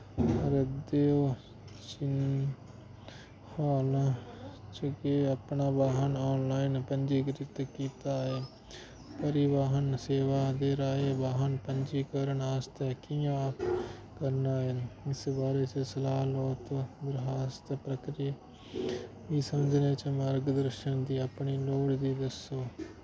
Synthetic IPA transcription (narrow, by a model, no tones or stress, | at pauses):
əɾəd̪eoː | t͡ʃɪn | hoːlãt͡ʃəɡeːəpnaːbaːɦənɔːnlaːɪnpənd͡ʒiːkəɾɪt̪kiːt̪aːeː | pəɾɪʋaːɦənseːʋaːd̪eːɾaːebaːɦənpəɲd͡ʒiːkəɾəɳaːst̪ɛːkiːã | kəɾnaːenɪsbaːɾeːt͡ʃəsəlaːɦlɔːt̪d̪ɪɾɦaːst̪pɾəkɾiː | ʋiːsəməd͡ʒneːt͡ʃəmaːɾɡəd̪əɾʃənd̪iːəpɳiːloːɽd̪iːd̪əsoː